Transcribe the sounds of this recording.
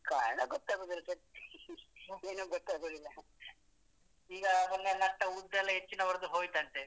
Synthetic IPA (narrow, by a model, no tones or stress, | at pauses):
kaːɾɐɳɐɡɔt̪ːaːɡoːd̪ilsɐt̪ːi̥ | eːnuːɡɔt̪ːaːɡod̪ilɐ | iːɡɐmɐnːɐnɐʈːɐud̪d̪ɐlːɐɦet͡ʃːinɐʋɐɾɐd̪uɦoːjt̪ɐɳt̪e